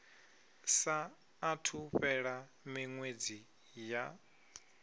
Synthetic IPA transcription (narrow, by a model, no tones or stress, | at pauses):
saː | tʰuɸɛɺa | miŋwed͡zi | ja